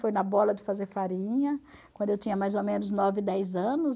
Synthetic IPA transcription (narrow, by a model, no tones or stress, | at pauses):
fojnɐbɔlɐd͡ʒɪfazeɾfaɾĩɲɐkwɐ̃nd̪ʊewt͡ʃ̪ĩɲɐmajzomẽnʊznɔvɪd̪ɛjzɐ̃nʊs